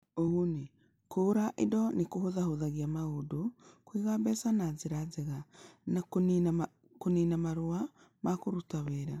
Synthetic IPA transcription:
ohune | kʰoːɾaʔedɔnekohoðahoðaɣiamaɣodokwiɣabɛsanazeɾazeɣanakona | koninamaɾoa | makoɾutaweɾa

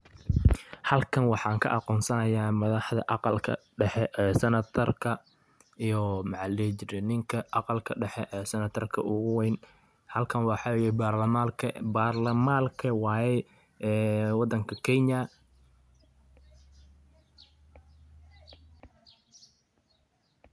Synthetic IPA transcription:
hɐlkʰɐnwɑħɑːŋkʰɐ̰ʔɑqɔːnsɐnɐjaːmɐðɑħðɐ̰ʔɑqɑlkʰɐ̰ɖɛħɛʔɛːsɐnɐt̪ʰɐrkʰɐ | ʔijɔmɑʕɑlɛt͡ʃɪɾɛnɪŋkʰɐʔɑqɑlkʰɐɖɛħɛʔɛːsɐnɐt̪ʰɐrkʰɐ̰ʔʊɣʊwɛjn | hɐlkʰɐnwɑːħɑwɛjɛbaːrlɐmalkʰarlɐmaːlkʰɐwɑːjɛ | ɛːwɑd̪ːɐŋkʰɐkʰɛnɐ

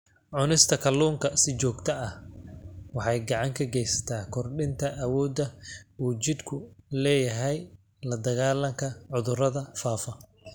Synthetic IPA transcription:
ʕʊnɪst̪ʰɐkʰɐlːuːŋkʰɐsɪt͡ʃɔːɡt̪ʰɐɐh | wɑħɑjɡɑʕɑŋkʰɐɡɛjsɐ̥t̪ʰaːkʰɔrɖɪnt̪ʰɐʔːwɔːd̪ɐuːt͡ʃɪd̪kʰʊlɛːjɐɦɛj | lɐd̪ɐɣaːlɐŋkʰɐʕʊðʊrɐðɐfaːfɐ

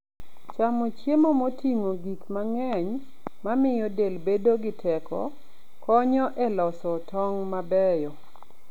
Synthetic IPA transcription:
t͡ʃamot͡ʃjemomotiŋoɡikmaŋɛɲ | mamɪjɔdelbedoɡɪtʰɛkɔ̰ | kɔɲɔʔɛlɔsɔtɔŋmabɛjɔ

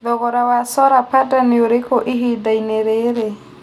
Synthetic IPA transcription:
ðɔɣɔɾawasɔɾapadanioɾekɔʔiɦid̪aineɾeɾe

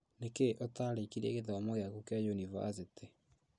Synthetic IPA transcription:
nekeʔotaɾekiɾieɣeðaamoɣeakukjad͡ʒuniva̰s̬ete

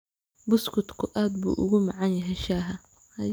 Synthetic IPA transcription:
bʊskʰʊt̪kʰʊʔaːd̪̚bṵːʔʊ̰ɣʊmɑʕɑnjɐɦɛjʃaːɦɐ | hɐ

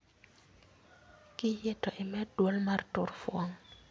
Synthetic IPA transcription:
kɪjɛtɔʔɪmɛdwolmartʊɾfwɔŋ

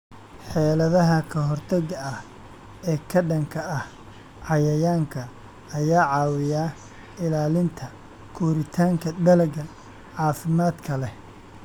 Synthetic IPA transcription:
ħɛːlɐðɐɦɐkʰɐɦɔrt̪ʰɐɣɐɐh | ɛːkʰɐɖɐŋkʰɐʔɐh | ʕɑjɐjaːŋkʰɐ | ɐjaːʕɑːwɪjaː | ɪlaːlɪnt̪ʰɐ | kʰuːɾɪt̪ʰaːŋkʰɐd̪ɐlɐɡɐ | ʕɑːfɪmaːd̪kʰɐlɛ

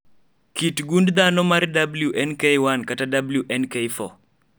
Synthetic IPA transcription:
kitɡundd̪anɔmaɾdabljuʔɛnkewankatadabljuʔɛnkejfɔ̰

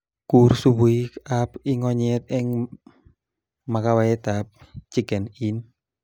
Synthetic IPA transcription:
kursubuiap̚iŋɔɲɛt̪̚ɪŋ | makawajet̪ap̚t͡ʃiɡɛnin

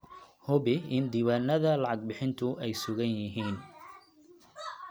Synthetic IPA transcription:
hʊβɪɪnd̪iːβaːnɐðɐlɑʕɑɡ̚bɪħɪnt̪ʰʊʔɛjsʊɣɐnjɪɦiːn

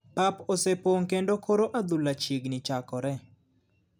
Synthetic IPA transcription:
paposepoŋkendokʰoɾoʔad̪ulat͡ʃiɡnɪt͡ʃakɔɾɛ

